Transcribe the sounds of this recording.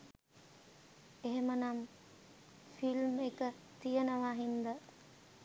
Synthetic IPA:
eɦemənam | filmekə | t̪ijənəʋaːɦind̪ə

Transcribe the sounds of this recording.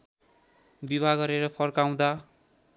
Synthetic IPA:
bibʱaɡʌɾeɾʌpʰʌrkaw̃d̪a

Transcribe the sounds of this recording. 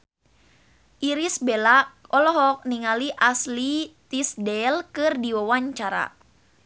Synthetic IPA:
ʔiɾisbelakɔlɔɦɔk̚niŋaliʔaslit̪isdɛlkɨrdiwawaɲt͡ʃaɾa̰

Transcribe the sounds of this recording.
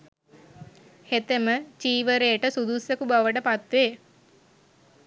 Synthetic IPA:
het̪emət͡ʃiːʋəɾeʈəsud̪usjekubaʋəʈəpat̪ʋeː

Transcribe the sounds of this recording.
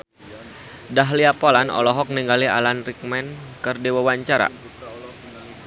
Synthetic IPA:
daɦliapolanɔ̰lɔɦɔk̚niŋɡalia̰lanrik̚mɛnkərdiwawaɲt͡ʃaɾa̰

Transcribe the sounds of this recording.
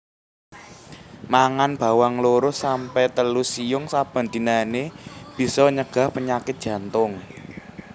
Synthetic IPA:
maŋanb̥ä̤waŋloɾʊsampɛt̪əlusijʊŋsab̥a̤nd̪̥i̤naneb̥i̤sɔɲəɡ̥ä̤hpəɲakɪt̪̚dʒ̥ä̤nt̪ʊŋ

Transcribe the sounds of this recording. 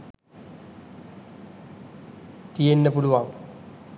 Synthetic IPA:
t̪ijenːəpuluʋaŋ

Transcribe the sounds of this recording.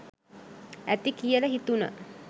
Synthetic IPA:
æt̪ikijələɦit̪unə̰

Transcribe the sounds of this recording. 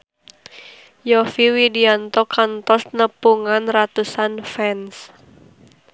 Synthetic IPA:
jɔfiwidiant̪ɔkant̪ɔsnəpuŋanrat̪usanfɛns

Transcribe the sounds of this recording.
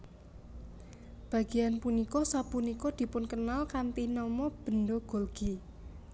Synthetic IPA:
b̥ä̤ɡ̥i̤janpunikɔsapunikɔd̪̥i̤pʊnkənalkant̪inɔmɔb̥ə̤nd̪oɡ̥o̤lɡ̥i

